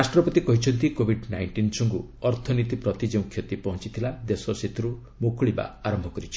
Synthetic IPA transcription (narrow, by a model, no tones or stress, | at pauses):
ɾasʈɾɔpɔt̪ikɔɦit͡ʃʰɔnt̪ikobʱiɖnajɳʈinsɔŋku | ɔɾt̪ʰɔnit̪ipɾɔt̪id͡ʒeũkʰjɔt̪ipɔɦɔ̃t͡ʃit̪ʰilad̪esɔset̪ʰɾu | mokʰuɭiba̰aɾɔmbʱɔkɔɾit͡ʃʰi̥